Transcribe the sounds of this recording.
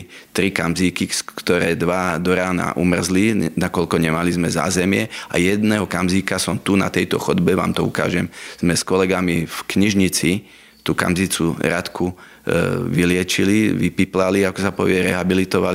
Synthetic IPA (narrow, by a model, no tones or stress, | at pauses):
t̪ɾikamziːkiskt̪ɔɾɛːd̪ʋad̪ɔɾaːna̰ʔumr̩zlinakɔlkɔɲɛmalizmɛza̰ːzɛmɪɛa̰jɛd̪nɛːɦɔkamziːkasɔmt̪una̰t̪ɛjt̪ɔxɔd̪bɛʋa̰ːmt̪ɔṵka̰ːʒɛmz̥mɛskɔlɛɡamifkɲiʒɲit͡si | t̪uːka̰mzit͡suɾat̪kʰu | ʋilɪɛt͡ʃiliʋipiplaliakɔsapɔʋɪɛɾɛ̰ɦabilit̪ɔʋali